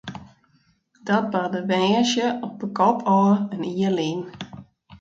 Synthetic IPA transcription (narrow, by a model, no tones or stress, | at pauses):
d̥ɔt̚bardəʋɛːʃjəɔp̚bəkɔpʰɔːəniəlin